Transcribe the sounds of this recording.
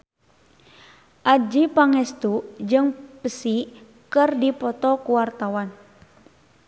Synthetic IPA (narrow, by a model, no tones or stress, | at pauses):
ʔad͡ʒipaŋɛst̪ud͡ʒɨŋpəsi | kɨrdipɔt̪ɔkuwart̪awan